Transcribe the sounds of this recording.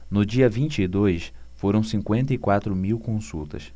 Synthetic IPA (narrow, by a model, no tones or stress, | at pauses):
nʊd͡ʒiɐvĩnt͡ʃɪɪd̪ojs | foɾɐ̃w̃sĩŋkwẽnt̪ɐikwat̪ɾʊmiwkõsuwt̪ɐ̰s